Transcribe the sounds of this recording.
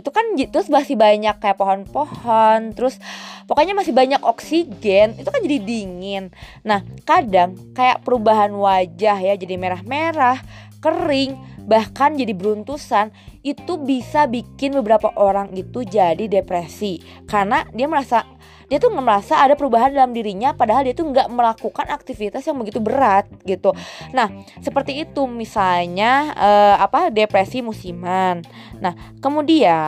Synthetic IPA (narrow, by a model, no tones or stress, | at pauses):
it̪ukant̪ɾʊsbasɪhbaɲakːajaʔpaɦɔnpohɔnt̪əɾʊspakaɲamasɪhbaɲakɔksiɡɛnit̪ukand͡ʒadidiŋɪnː | ahkadaŋkaja̰ʔpəɾubaɦanwad͡ʒahjad͡ʒadimeɾahmeɾah | kəɾrɪŋbahkand͡ʒadibəɾunt̪usanit̪ubisabikɪnbəbəɾapaʔoɾaŋit̪ud͡ʒadidepɾesi | karnadiaməɾasa | diat̪uŋɡaʔməɾasaːdapəɾubaɦandalamdiɾiɲapadaɦaldiat̪uŋɡaʔməlakukanak̚t̪ifit̪asjaŋbəɡit̪ubəɾat̪̚ɡit̪unahsəpərt̪iːt̪umisalɲaəːapadepɾesimusimanː | ah | kəmudia